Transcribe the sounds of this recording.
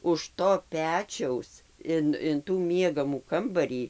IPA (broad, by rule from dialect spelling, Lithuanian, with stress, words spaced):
ʊʃ ˈtoː ˈpʲæːt͡ʃʲɛʊs ˈɪn ɪn tuː ˈmʲiɛɡɐmuː ˈkɐmbɐrʲiː